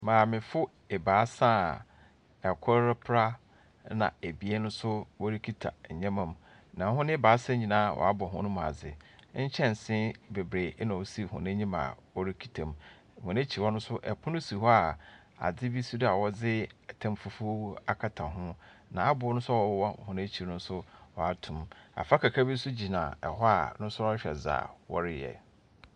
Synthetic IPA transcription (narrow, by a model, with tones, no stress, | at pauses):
mãː˨mɪ̃˨fʊ˦ | e˨baː˨˦sã˦ | ɛ˨kʰɔ˦ɪ˦pʰɾa˦ | nã̰˨e˨bi˨ɛ˦nʊ̃˦sʊ˦wɔ˦ɾi˦kʰi˦tʰa̰˨ɲ̩˨ɲɛ̃˦mã˨m | nã˨˦ɦʊ̃˦nɪ̃˦baː˨˦sɛ̃˦ɲĩ˨nãː˦˨wʔɔ̰˨a˦bɔ˨ɦʊ̰̃˦nʊ̃˦mʊ̃˨a̰˨d͡zɪ̰˨ɲ̩˦t͡ɕʰɛ̃˦n˨sɪ̃˦be˨bɾeː˨˦nã˨ɔ˦si˦˨hʊ̰̃˨nã˦ɲĩ˦ma̰˨wɔ˦ɾi˦kʰi̥˦tʰã˨m̩˨ | hʊ̃˨nẽ˦t͡ɕʰi˨wɔ˦nʊ̃˦sʊ˦ʔɛ˨pʰʊ̃˦nʊ̃˦si˨ɦɔ˦a˨ | a̰˨d͡zɪ˦bi˦su˦da˨wɔ˦d͡zɪ˦˨tʰã˨mfu˨fu˦a˨kʰa˨tʰã˨ɦʊ̃˦nã̰˨a˦bʊ˨ɔ˦nʊ̃˦sʊ˦a˦wɔ˨˦wɔ˦˨hʊ̃˨nẽ˦t͡ɕʰi˨˦nʊ̃˦n˦sʊ˦wɔ˨a˦tʰʊ̃˨ma̰˨fa˦kʰa˨kʰɾa˦bi˦sʊ˦d͡ʑi˨nã̰˨ɛ̰˨ɦɔ˦a˨nʊ̃˦sʊ˦ɔ˦ɕᶣɛ̰˨za̰ː˨wɔ̰˦ɾɪ˦jɛ̰˨